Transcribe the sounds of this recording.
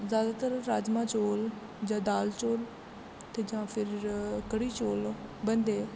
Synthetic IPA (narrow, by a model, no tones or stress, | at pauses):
zjaːd̪aːt̪əɾːaːd͡ʒmãːt͡ʃoːl | d͡ʒãːd̪aːlt͡ʃoːl | t̪eːd͡ʒãːpʰɪɾkəɽiːt͡ʃoːlbənd̪eː